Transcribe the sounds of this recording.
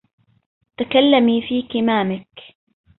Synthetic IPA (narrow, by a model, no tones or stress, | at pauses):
t̪akalːamiːfiːkɪmaːmɪk